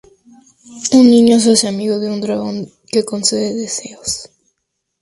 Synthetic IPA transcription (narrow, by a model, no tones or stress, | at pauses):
unnĩɲos̬oseamiɣoðeund̪ɾaɣõŋ | kekonseðeðeseos